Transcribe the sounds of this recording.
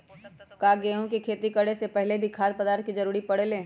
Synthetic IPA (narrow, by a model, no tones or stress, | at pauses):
kaːɡeːɦõkikʰeːt̪ikəɽesepɛɦlebʱikʰaːd̪̚pɐd̪aːɾt̪̚kid͡ʒɐɾuːɾipɐɽ̤elẽː